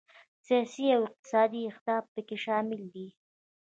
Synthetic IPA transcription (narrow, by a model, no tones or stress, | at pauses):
sijɑsiawɪq̚t̪ɪ̥sɑd̪iɪxt̪ɑb̚pəkeʃɑmɪld̪i